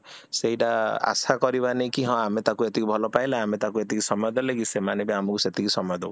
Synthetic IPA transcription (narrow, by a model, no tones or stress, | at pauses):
seɦiʈaa̰sakɔɾibanejkiɦɔ̃amet̪akuet̪ikibʱɔlɔpajleamet̪akuet̪ikisɔmɔjɔd̪ɔleɡisemanibiamɔkuset̪ikisɔmɔjɔd̪ɔw